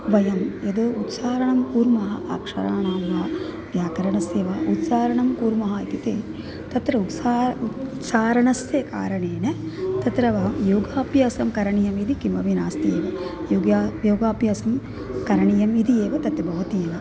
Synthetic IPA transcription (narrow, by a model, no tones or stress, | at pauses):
ʋɐjɐmjed̪oːut̪saːɾɐɳɐmkuːɾmɐɦɐ̰ʔaːkʂɐ̰ɾaːɳaːmɐɦɐ | ʋjaːkɐɾɐɳɐsjeːʋaut̪saːɾɐɳɐmkuːɾmɐɦɐit̪it̪eː | t̪ɐt̪ɾɐut̪saːt̪saːɾɐɳɐsjeka̰ːɾɐɳeːnet̪ɐt̪ɾɐʋɐɦɐmjoːɡaːpjaːsɐmkɐɾɐɳijɐmid̪ikimɐʋinaːst̪ieːʋɐjoːɡjaːjoːɡaːpjɐːsɐm | kɐɾɐɳijɐmid̪ieːʋɐt̪ɐt̪jɐbʱɐʋɐt̪ieːnɐ